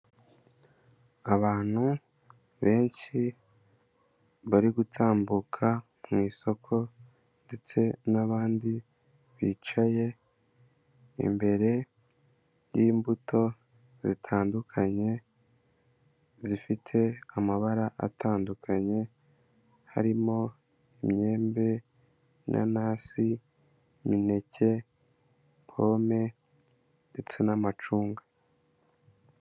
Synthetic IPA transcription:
aβaːn̥hu | βe̞ːnʃi | βaɾiɡutʰaːmbukʰa | mmŋiːso̞kʰo̞ | nde̞t͡se̞naβaːndi | βiːt͡ʃaje̞ | ḭmbe̞ɾe̞ | jiːmbutʰo̞ | z̥itʰaːndukʰaɲe̞ | zifitʰe̞amaβaɾaʔa̰tʰaːndukʰaɲe̞ | ha̰ɾimo̞ | imɲe̞ːmbe̞ | nʔa̰naːsi | mine̞ce̞ | pʰo̞me̞ | nde̞t͡se̞namat͡ʃuːŋɡa

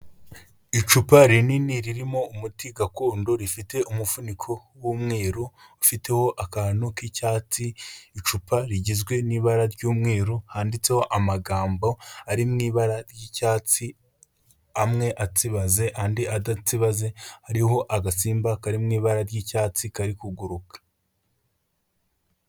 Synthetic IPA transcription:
it͡ʃupaɾininiɾiɾimo̞umutiɡakoːndo̞ɾifite̞ʔumufunikʰo | wumŋeːɾoufite̞ho̞ʔakanukicaːt͡siːt͡ʃupʰaɾiɟizɡwe̞niːβaɾaɾɟuːmŋeːɾohaːndit͡se̞ho̞ʔamaɡaːmbo̞aɾimŋiːβaɾaɾjicaːt͡si | amŋe̞ʔat͡siβaze̞haːndiʔadat͡siβaze̞haɾiɦo̞ʔaɡasiːmbakaɾimŋiːβaɾaɾjicaːt͡sikaɾikuɡuɾukḁ

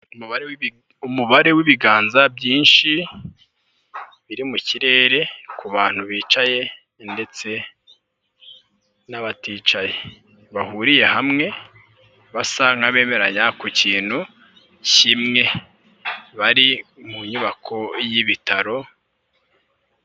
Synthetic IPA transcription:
umuβaɾew | umuβaɾe̞wiβiɡaːnzabjiːnʃi | βiɾimuciɾe̞ːɾe̞kʰuβaːn̥uβiːt͡ʃaje̞ | nde̞t͡se̞ | naβatiːt͡ʃaje | βahuɾije̞hamŋe̞ | βasaŋaβe̞ːme̞ɾaɲakuciːn̥hu | cimŋe̞ | βaɾimuɲuβakʰo̞jiβitaɾo̞

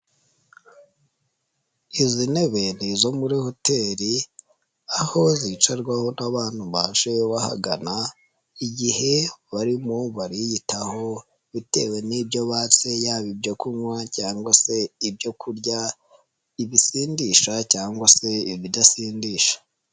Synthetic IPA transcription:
izine̞βenizo̞muɾihote̞ɾi | aho̞zit͡ʃaɾɡwaho̞naβaːn̥uβaːʃeβaha̰ɡana | iɟihe̞βaɾimoβaɾijitaho̞ | βite̞̰we̞nibɟo̞βaːt͡se̞jaːβibɟo̞kumwacaːŋɡwase̞ibjo̞kʰuɾɟa | iβisiːndiʃacaːŋɡwase̞iβidasiːndiːʃḁ

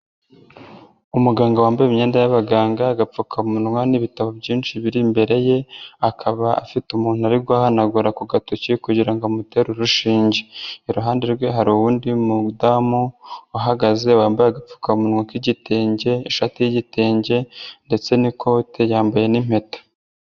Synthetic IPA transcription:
umuɡaːŋɡawaːmbajemɲeːndajaβaɡaːŋɡaɡap͡fukʰamunŋwaniβitaβobɟiːnʃiβiɾimbe̞ɾe̞je̞akʰaβaa̰fitumuːnuaɾiɡwaːhanaɡuɾakuɡatocikuɟiɾaŋɡamute̞ɾuɾuʃiːɲɟeiɾuɦaːndeɾɡwe̞ɦaɾuβuːndimudamuːɦaɡaze̞waːmbajaɡap͡fu̥kamunŋwakiɟiteːɲɟe̞ːʃatijiɟiteːɲɟe̞nde̞t͡se̞nikʰo̞tʰejaːmbaje̞nim̥e̞tḁ

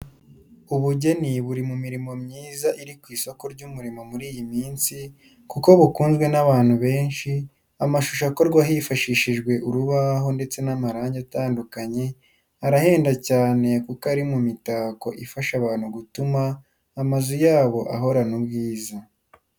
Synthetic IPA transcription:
uβuɟe̞niβuɾimumiɾimo̞mɲiːzaʔiɾikwiːso̞ko̞ɾɟumuɾimo̞muɾiːjimiːnsi | kuko̞βukuːnzɡwe̞naβaːn̥huβe̞ːnʃi | amaʃuʃako̞ɾɡwaɦifaʃiʃiʒɡwe̞ʔuɾuβaɦo̞nde̞t͡se̞namaɾaːɲɟataːndukaɲe̞ | aɾahe̞ːndacaːne̞kukaɾimumitaːko̞ʔifaʃaβaːn̥huɡutumaː | mazujaːβo̞ʔa̰ɦo̞ɾanubɡiːza

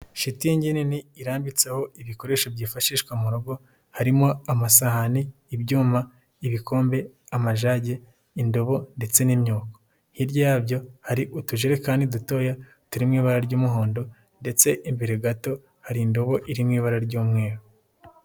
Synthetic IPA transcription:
ʃitijeɲɟeniniːɾaːmbit͡seho̞iβiko̞ɾeːʃobɟiːfaʃiːʃkwemuɾoɡo̞ | haɾimo̞amasahaniː | bɟuːma | iβiko̞ːmbe̞ | amaʒaːɟe̞ | indo̞βo̞nde̞t͡se̞nimɲoːko̥ | hiɾɟajaːbɟo̞haɾiʔutuʒeɾe̞kaːndiduto̞ːja | tuɾimŋiːβaɾaɾɟuːmuɦo̞ːndo̞ | nde̞t͡se̞ʔimbiɾeɡato̞ | haɾindo̞βo̞ʔiɾimŋiːβaɾaɾɟuːmŋe̞ːɾo

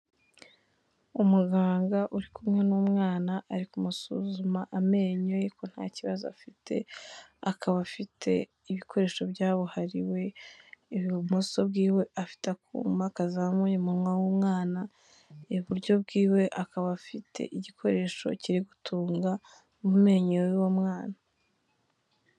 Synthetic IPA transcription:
umuɡaːŋɡaʔuɾikumŋe̞numŋaːnaʔaɾikumusṵzumaʔame̞ːɲojeko̞n̥ha̰ːciβazoa̰fitʰe̞̰akʰaβafitʰe̞̰ | iβikʰo̞ɾe̞ːʃo̞bjaːβuhaɾiwe̞ | muso̞bɡiːwe̞ʔafi̥takṵːmbakazamuɲimuɾŋwawumŋaːna | ejuβuɾɟo̞b̚ɡiːwe̞ʔakaβafitʰe̞̰ʔiɟikʰo̞ɾe̞ːʃo̞̰ciɾiɡutʰuːŋɡa | mume̞ːɲeɾowomŋaːna

